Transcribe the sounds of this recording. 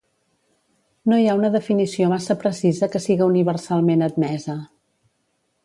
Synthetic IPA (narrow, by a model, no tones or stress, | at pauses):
noiaunəðəfinisiomasəpɾəsizəkəsiɣəuniβ̞ərsalˠmenəd̪̚mɛzə